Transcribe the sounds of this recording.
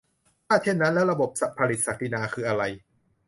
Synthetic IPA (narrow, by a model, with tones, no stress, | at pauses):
tʰaː˥˩t͡ɕʰe˥˩nːa˦˥nlɛː˦˥wɾa˧bo˨˩p̚sa˨pʰːa˧li˨˩t̪̚sa˨˩k̚t̪ʰiː˧naː˧kʰɯː˧˩ʔa˧ɾa˧j